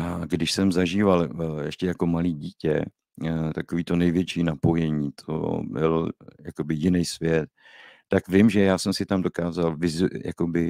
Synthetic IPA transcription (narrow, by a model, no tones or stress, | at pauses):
aɡdɪʃsɛmzaʒiːvaljɛʃcɛjako̞maliːɟiːcɛ | t̪akoviːt̪o̞nɛjvjɛt͡ʃiːnapo̞jɛɲiːt̪ʰo̰bɪ̰ljako̞bɪjɪnɛjsvjɛt̪̚ː | akvɪmʒɛjaːsɛmsɪt̪amdo̞kaːzalvɪzja̰ko̞bɪ